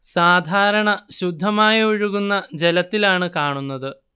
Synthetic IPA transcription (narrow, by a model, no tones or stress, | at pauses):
saːd̪ʱaːɾɐɳɐɕud̪ʱːɐmaːjɐiɻuɣunːɐd͡ʑelɐt̪ːilaːɳɨkaːɳunːɐðɨ